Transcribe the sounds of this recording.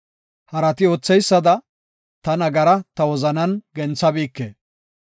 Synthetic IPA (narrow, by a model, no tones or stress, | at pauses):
hɐɾɐt̪ɪoːt͡sːɛjsːɐd̪ɐ | t̪ɐnɐɡɐɾɐt̪ɐwɔzɐnɐnɡɛnt͡sːɐbiːkːḛː